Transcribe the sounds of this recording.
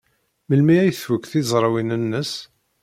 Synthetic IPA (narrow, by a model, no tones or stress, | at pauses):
məlmiæjθfəkθizˤɾˤwinənːəs